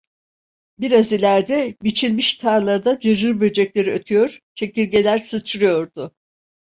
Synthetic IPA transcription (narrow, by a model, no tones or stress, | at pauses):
biɾazilʲæɾd̪ɛbit͡ʃʰilʲmiʃt̪ʰaɾlˠaɾd̪ad͡ʒeʒɯɾbø̞d͡ʒɛclʲe̞ɾiøt̪ʰyjo̞ɾ̥t͡ʃʰe̞cilʲɟe̞lʲæɾsɯt͡ʃʰɯɾɯjo̞ɾd̪ʊ